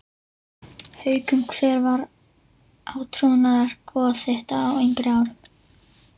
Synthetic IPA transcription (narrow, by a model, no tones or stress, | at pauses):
hœːɥkʏmkʰvɛːɾvaɾ | ʔaːwt̪ʰɾuːnaðaɾ̥kɔːθeht̪aːwejŋkɾɪaːwɾʏ